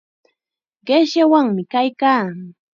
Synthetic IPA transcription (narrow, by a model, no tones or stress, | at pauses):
ɢeʃjawaŋmɪkajkaː